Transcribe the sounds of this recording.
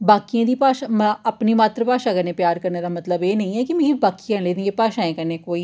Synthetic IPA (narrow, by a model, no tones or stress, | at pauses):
baːkijãːd̪iːpaːʃaːməpniːmaːt̪ɾəpaːʃaːɡəɾneːpjaːɾkəɾneːd̪aːmət̪ləbeːnə̃ĩːɛːkɪmɛ̃ːɡibaːkiãleːd̪ẽɡeːpaːʃãːẽːkəɾneːkoːiː